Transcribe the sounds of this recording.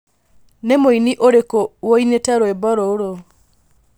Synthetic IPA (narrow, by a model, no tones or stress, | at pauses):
nemoiniʔoɾekowoinetaɾoebɔɾooɾo